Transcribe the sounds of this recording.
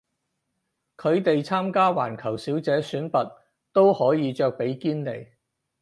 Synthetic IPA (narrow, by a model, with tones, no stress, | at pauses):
kʰɵ˨˧ɥt̪e˨jt͡sʰaː˥mkaː˥wa̰ː˨˩nkʰɐ˨˩wsiː˨˥wt͡sɛː˨˥syː˨˥npɐ˨t̚ | t̪o˥whɔː˨˥jiː˨˧t͡ʃœː˨˧k̚pe˨˥jkiː˥nt̪e˨˩j